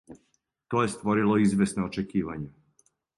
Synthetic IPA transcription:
t̪oːje̞st̪ʋo̞ɾilˠo̞izʋʲjesnoot͡ʃekiːʋaɲe

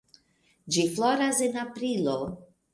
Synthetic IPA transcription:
d͡ʒifloɾasenapɾilo

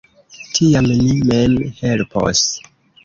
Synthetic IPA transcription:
tʰiamnimemhelpʰo̰s

